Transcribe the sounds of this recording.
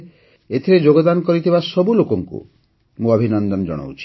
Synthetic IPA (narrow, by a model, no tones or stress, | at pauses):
et̪ʰiɾed͡ʒoɡɔd̪ankɔɾit̪ʰibasɔbulokɔŋkṵ | mũɔbʱinɔnd̪ɔnd͡ʒɔ̰ɽ̃o̰wt͡ʃʰi̥